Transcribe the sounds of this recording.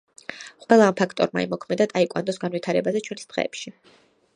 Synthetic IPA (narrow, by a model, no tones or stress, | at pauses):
qʼwɛlˠaːmpʰakʰt̪ʼɔ̰ɾma̰ḭmɔkʰmɛd̪at̪ʼaikʼwa̰nd̪ɔsɡanwit̪ʰaɾɛbazɛt͡ʃʰwɛnsd̪̥ʁɛ̰ːpʃi